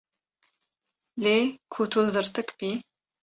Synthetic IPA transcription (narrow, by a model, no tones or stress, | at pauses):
leːkʰutʰuzɨrtʰɨkpiː